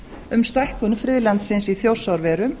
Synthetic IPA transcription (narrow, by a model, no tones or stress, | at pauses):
ʏmst̪ajhkʏnfɾɪðlant̪sɪnsiθjow̥sawɾvɛːɾʏm